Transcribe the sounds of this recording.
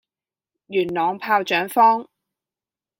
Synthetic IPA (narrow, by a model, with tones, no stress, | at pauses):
jyː˨˩nlɔː˨ŋpʰaː˧wt͡ʃœː˨˥ŋfɔː˥ŋ